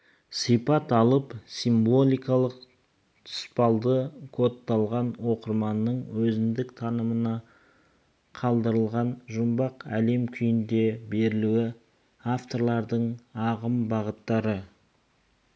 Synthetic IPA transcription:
sijpɑt̪ɑlˠəpsimbo̞lʲˠijkɑlˠəq | t̪ʰʊ̥spɑlˠd̪əkʰo̞t̪ːɑlˠʁɑnwo̞qəɾmɑnːəɴwɵzɪnd̪ɪkt̪ʰɑnəmənɑ | qʰɑlˠd̪əɾəlˠʁɑnʒʊmbɑqæle̞mkʲʰʏjɪnd̪e̞be̞ɾɪluɪ | aft̪o̞ɾlˠɑɾd̪əɴɑʁəmbɑʁət̪ːɑɾə

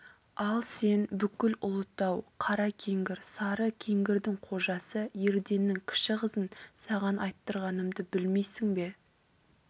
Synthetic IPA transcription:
ɑlˠse̞nbʏkʲɪlʊlˠət̪ːɑwqʰɑɾɑkʲʰe̞ŋɡʲɪɾsɑɾəkʲʰe̞ŋɡʲɪɾd̪ɪŋqʰo̞ʒɑsəje̞ɾd̪e̞nːɪŋkʲʰɪ̥ʃɪʁəzənsɑʁɑnɑjt̪ːəɾʁɑnəmd̪əbɪlme̞jsɪŋbe̞

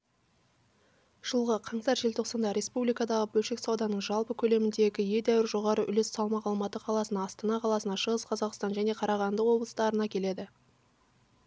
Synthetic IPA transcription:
ʒ̥əlˠʁəqʰɑɴsɑɾʒe̞lt̪ʰo̞qsɑnd̪ɑɾe̞spublijkɑd̪ɑʁəbɵlʃe̞ksɑwd̪ɑnəɴʒɑlˠpəkʲʰɵle̞mɪnd̪e̞ɡʲɪje̞d̪æwɪɾʒo̞ʁɑɾəʔʏ̰lessɑlˠmɑqɑlˠmɑt̪əqʰɑlˠɑsənɑːst̪ɑnɑqʰɑlˠɑsənɑʃəʁəsqʰɑzɑqst̪ɑnʒæne̞qʰɑɾɑʁɑnd̪əqwo̞blˠə̥st̪ɑɾənɑkʲʰe̞le̞d̪ɪ

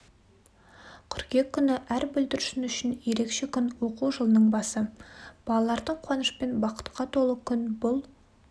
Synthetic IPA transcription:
kʲʰʏɾkʲe̞kʲʰːʏnɪʔæɾbɵld̪ɪɾɪʃɪnʏʃɪnje̞ɾe̞kʃe̞kʲʰʏnwo̞quʒəlˠənəɴbɑsəb̥ɑlˠɑlˠɑɾd̪əɴqʰwɑnəʃpe̞nbɑqə̥t̪qɑt̪ʰo̞lˠəkʲʰʏnbʊlˠ

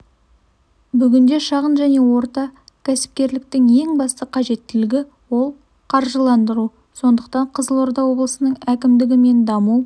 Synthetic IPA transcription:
bʏɡʲɪnd̪e̞ʃɑʁənʒæne̞wo̞ɾt̪ɑ | kʲʰæsɪ̥p̚kʲe̞ɾlɪk̚t̪ɪŋje̞ŋbɑst̪əqʰɑʒe̞t̪ːɪlɪɡʲɪ | wo̞lˠ | qʰɑɾʒəlˠɑnd̪əɾu | so̞nd̪əqt̪ɑɴqʰəzəlˠo̞ɾd̪ɑwo̞blˠəsənəɴækʲɪmd̪ɪɡʲɪme̞nd̪ɑmu

